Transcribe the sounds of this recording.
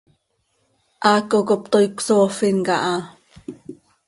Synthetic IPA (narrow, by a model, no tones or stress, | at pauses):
ʔakokop̚t̪ojkʷsoːfiŋkaʔa